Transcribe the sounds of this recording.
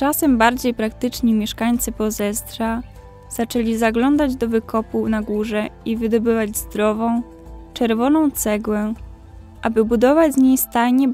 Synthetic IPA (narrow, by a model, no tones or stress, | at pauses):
t͡ʂasɛmbaɾd͡ʑejpɾakt̪ɘt͡ʂɲimʲjɛʂkaɲt̪sɘpɔzɛst̪ɾa | z̥at͡ʂɛlʲizaɡlɔnd̪ad͡ʑd̪ɔvɘkɔpunaɡuʐɛivɘd̪ɔbɘvad͡ʑzd̪ɾɔvɔ̃w̃ | t͡ʂɛɾvɔnɔ̃w̃t̪sɛɡwɛ | ʔabɘbud̪ɔvad͡ʑzɲejst̪aɲɛ